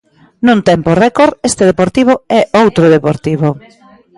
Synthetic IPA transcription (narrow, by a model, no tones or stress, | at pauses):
nũnt̪ɛmporɛkoɾest̪eðepoɾt̪iβ̞oɛowt̪ɾoðepoɾt̪iβo